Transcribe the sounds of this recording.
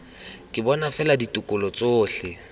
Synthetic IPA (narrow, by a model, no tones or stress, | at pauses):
kʼɪbɔnafɛladitʼʊkʼʊlɔt͡sʼoːɬɪ